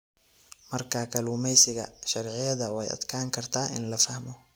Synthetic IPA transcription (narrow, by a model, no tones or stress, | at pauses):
mɐrkʰaːkʰɐluːmɛjsɪɣɐ̰ʃɐrʕɪjɐðɐwɛjɐ̰d̪kʰaːŋkʰɐrt̪ʰaːɪ̰nlɐfɐhmɔ